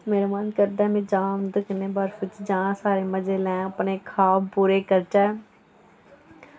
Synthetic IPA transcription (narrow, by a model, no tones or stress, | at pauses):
meːɾmaːnkəɾd̪ɛːmẽːd͡ʒãːnd̪əkneːbəɾfʊt͡ʃd͡ʒãːsaːɾeːməd͡ʒeːlɛ̃ːəpneːkʰaːbpuːɾeːkəɾt͡ʃɛː